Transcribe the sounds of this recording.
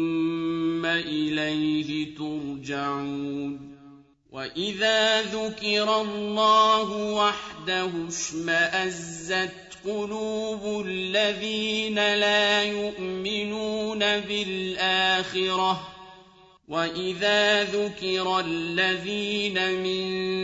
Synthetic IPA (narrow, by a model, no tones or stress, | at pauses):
mːaʔɪlajhɪt̪ʊɾˤd͡ʒaʕuːn | wa̰ʔɪðaːðʊkɪɾɑlːɑːɦʊwaħd̪ahʊʃmaʔazːat̪ | qʊluːbʊlːaðiːnalaːjʊʔmɪnuːnabɪlʔaːxɪɾɑ | waʔɪðaːðʊkɪɾˤalːaðiːnamɪn